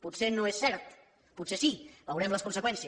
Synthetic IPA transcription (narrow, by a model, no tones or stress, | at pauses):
put̪senoesːɛɾt̪ | put̪sesiβəwɾɛmləskunsəkwɛnsiə